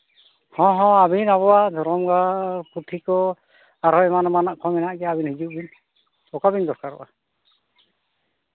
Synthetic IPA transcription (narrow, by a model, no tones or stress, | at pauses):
hɔ̃ɦɔ̃abinaβɔwad̪ʱɔɾɔmɡaɾput̪ʰikɔ | aɾɔɛmanɔmanaʔkʰɔmɛnaʔɡɛaabinhid͡ʒuʔbin | bɔkabindɔskaɾɔ̰ʔa